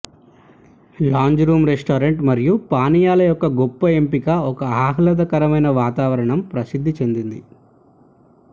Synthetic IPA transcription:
laːɲd͡ʒɾuːmɾesʈaːɾeɳʈmɐɾjupaːnijaːlɐjɔkːɐɡɔpːɐe̞mpikaɔkɐaːɦɐlɐd̪ɐkɐɾɐmɐjnɐʋaːt̪aːʋɐɾɐɳɐmpɾɐsid̪ʱːit͡ʃe̞nd̪ind̪i

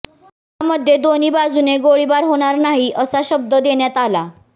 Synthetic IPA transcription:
ɦ | aməd̪ʱjed̪oniːbad͡zuneɡoɭibaɾɦoɽ̃aɾnaɦiʔəsaɕəb̚d̪əd̪eɳjat̪ala

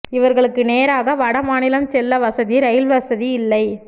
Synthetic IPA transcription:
ɪʋɐɾɣɐɭɯkːɯneːɾaːɣɐʋɐɽɐmaːnɪlɐmt͡ʃɛlːɐʋɐsɐðiɾɛjɪlʋɐsɐðiɪlːɐɪ

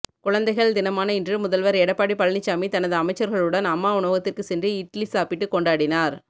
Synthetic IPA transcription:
kʊɻɐnd̪ɐɪɣɐɭd̪ɪnɐmaːnɐɪndrɯmʊðɐlʋɐɾɛɽɐpːaːɽipɐɻnɪt͡ʃːamit̪ɐnɐðɯɐmɐɪt͡ʃːɐɾɣɐɭɯɽɐnɐmːaːʊɳoːɣɐt̪ːɪrkɯsɛndriɪʈlisaːpɪʈːɯkːɔɳɖaːɽɪnaːɾ

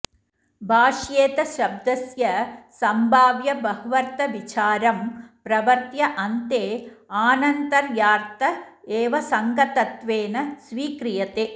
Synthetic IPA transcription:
bʱaːʂjeːt̪ɐʃɐb̚d̪ɐsjɐsɐmbʱaːʋjɐbɐɦuʋɐɾt̪ɐʋit͡ʃaːɾɐmpɾɐʋɐɾt̪jɐʔɐnt̪eːaːnɐnt̪ɐɾjaːɾt̪ɐeːʋɐsɐŋɡɐt̪ɐt̪ʋeːnɐsʋiːkɾijɐt̪eː

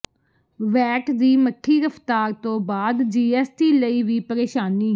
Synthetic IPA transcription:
ʋɛːʈd̪iːməʈʰːiːɾəpʰt̪aːɾt̪õːbaːd̪d͡ʒiːɛːsʈiːləiːʋiːpəɾeːʃaːniː

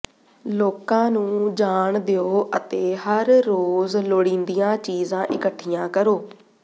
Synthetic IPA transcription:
loːkãːnũːd͡ʒaːɳd̪eoːʔət̪eːɦəɾːoːzloːɽĩːnd̪ijãːt͡ʃiːzãːʔɪkəʈʰːijãːkəɾoː

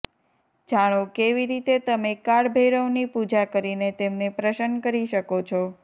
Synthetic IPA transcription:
d͡ʒaɽ̃okeʋiɾit̪et̪əmekaɽbʱeɾəwnipud͡ʒakəɾinet̪emnepɾəʃənkəɾiʃəkot͡ʃʰɔ

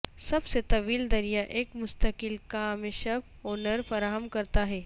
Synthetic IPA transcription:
sɐbset̪ɐʋiːld̪ɐɾijaʔeːkmʊst̪əkɪlkaːmeʃɐp | oːnəɾfɐɾaːɦəmkɐɾt̪aɦɛː

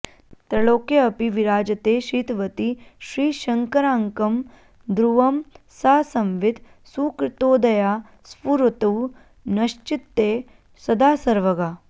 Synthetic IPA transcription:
t̪ɾɐɭoːkjɐɐpiʋiɾaːd͡ʒɐt̪eːʃiːt̪ʋɐt̪iʃɾiːʃɐŋkɐɾaːŋkɐm | d̪ɾuʋɐm | saːsɐmʋid̪ | suːkɾɪt̪oːd̪ɐjaː | spuɾut̪ɐw | nɐʃt͡ʃit̪ːeː | sɐd̪aːsɐɾʋɐɡaː

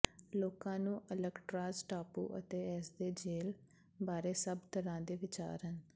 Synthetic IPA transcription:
loːkãːnũːʔələɡʈɾaːzʈaːpṵːʔə̰t̪eːɛːsd̪eːd͡ʒeːl | baːɾeːsəbt̪ʰəɾãːd̪eːʋɪt͡ʃa̰ːɾɦən

